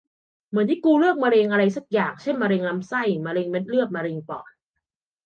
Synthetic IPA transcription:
mɯ˩˦nt̪ʰi˦˧˩kuː˧lɯ˥˩k̚maː˧ɾeː˧ŋʔa˧ɾa˧jsa˨˦˩k̚jaː˨˩ŋt͡ɕʰe˥˩nmaː˧ɾeː˧ŋla˦˧˥msa˥˩jmaː˧ɾeː˧ŋme˦˥t̪̚lɯ˥˩ət̪̚maː˧ɾe˧ŋpɔ̰ː˨˩n

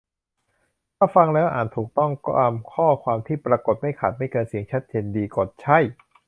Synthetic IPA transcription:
t̪ʰaː˥˩fa˧ŋlɛː˦˥wʔaː˨˩t̪ʰuː˨˩k̚t̪ɔ˥˩ŋkɔː˥˩ʔa˧mkʰɔː˥˩kʰwaː˧mt̪ʰiː˥˩pɾa˧ko˨˩t̪̚ma˥˩jkʰa˨˩t̪̚ma˥˩jkɤː˧nsi˨˩˦əŋt͡ɕʰa˦˥t̪̚t͡ɕʰeː˧ndiː˧ko˨˩t̪̚t͡ɕʰa˦˥˩j

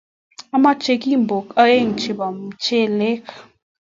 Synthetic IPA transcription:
a˦ma˦t͡ʃe˧ki˦m˨bo˨ka˦e˦˨ŋ̩˨t͡ʃi˨ba˨m˨t͡ʃe˦le˦k

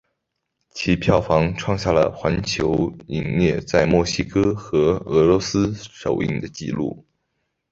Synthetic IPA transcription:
t͡ɕʰi˧˥pʰjɑ˥˩ʊfɑ˧˥ŋʈ͡ʂʰwɑ˥˧ŋɕja˥˩lə̰˩xwa˧˥nt͡ɕʰjo˧˥ʊi˨˩ŋnjɛ˥˧t͡sa˥˧ɪmwɔ˥˩ɕi˥kʰɤ˥xɤ˧˥ɤ˧˥lwɔ˧˥sɹ̩˥ʂo˨˩ʊḭ˥˩ŋd̪ə˩t͡ɕḭ˥˧lṵ˥˩

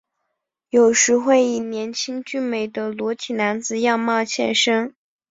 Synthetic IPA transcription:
jo˨˩ʊʂɻ̩˧˥xwe˥˩ɪi˨˩njɛ˧˥nt͡ɕʰi˥ŋt͡ɕy˥˩nme˨˩ɪd̪ə˦lwɔ˧˥t̪ʰi˨˩na˧˥nd͡zɹ̩˨˧jɑ˥˧ŋmɑ˥˧ʊɕʰjɛ̰˥˩nʂɤ˥ŋ

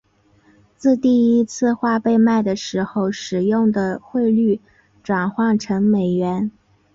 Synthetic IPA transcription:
t͡sɹ̩˥˧t̪i˥˩i˧˥t͡sʰɹ̩˥˧xwa˥˧pe˥˧ɪma˥˩ɪd̪ə˩ʂɻ̩˧˥xo˥˧ʊʂɻ̩˨˩jʊ˥˩ŋd̪ə˩xwe˥˧ɪly˥˩ | ʈ͡ʂwa˨˩nxwɑ˥˩ŋʈ͡ʂʰɤ˧˥ŋme˨˩ɪɥɛ˧˥n

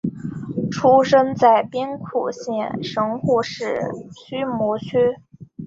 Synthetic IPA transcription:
ʈ͡ʂʰu˥ʂə˥nt͡sa˥˩ɪpjɛ˥nkʰu˨˩ɕjɛ˥˧nʂɤ˧˥ŋxu˥˧ʂɻ̩˥˩ɕy˥mwɔ˧˥t͡ɕʰy˥

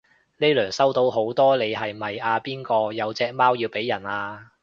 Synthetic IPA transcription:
ne˥lœː˨˩ŋsɐ˥wt̪o˧wɦo˨˥wt̪ɔː˥le˨˧jɦɐ˨jmɐ˨jaː˨˧piː˥nkɔː˧jɐ˨˧wt͡sɛː˧k̚maː˥wjiː˧wpe˨˥jːɐ˨˩naː˧

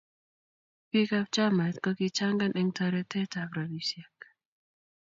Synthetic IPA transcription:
pi˦ka˦p̚t͡ʃa˦ma˨t̪kɔ˦ki˦t͡ʃa˦ŋɡa˦nʔɛ˦ŋtʰa˧ɾɛ˦tʰɛ˦tabɾa˨li˨sja˨k

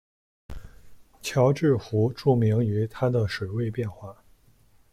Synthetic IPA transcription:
t͡ɕʰjɑ˧˥ʊʈ͡ʂɻ̩˥˩xu˧˥ʈ͡ʂu˥˩mi˧˥ŋy˧˥t̪ʰa˥d̪ə˨ʂwe˨˩ɪwe˥˧ɪpjɛ˥˧nxwa˥˩

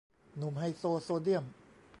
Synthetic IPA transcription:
nu˨˩˦mha˧˩jsoː˧soː˧di˥˩əm

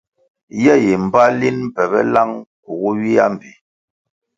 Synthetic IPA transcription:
jɛ˦˨ji˨m̩˨ba˦li˦nm̩˦pɛ˨bɛ̰˦la˦ŋku˨ɣu˦ɥi˦a˦m̩˨bi˨

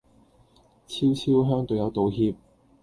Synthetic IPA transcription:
t͡sʰiː˥wt͡sʰiː˥wɦœː˥ŋt̪ɵ˨wjɐ˨˧wt̪o˨˧wɦiː˧p̚

